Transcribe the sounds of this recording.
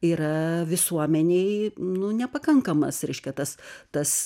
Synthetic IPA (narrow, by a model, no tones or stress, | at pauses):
iːɾɐʋʲɪsuɔmʲɛnʲeɪnʊnʲɛpɐkɐŋkɐmɐ̰sɾʲɛɪʃʲkʲɛt̪ɐst̪ɐs